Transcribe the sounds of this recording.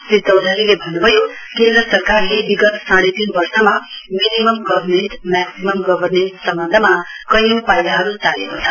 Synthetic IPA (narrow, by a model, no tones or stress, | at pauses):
sɾit̪ːʌwd̪ʱalilebʱʌnubʱʌjo | kend̪ɾʌsʌɾkarlebiɡʌt̪ʰsãɽet̪inbʌɾsʌmaminimʌmɡʌbʱrmeɳʈmɛksimʌmɡʌbʱʌɾmeɳʈsʌmbʌnd̪ʱəmakʌɦjupajlaɦʌɾut͡salekot͡sʰʌ̥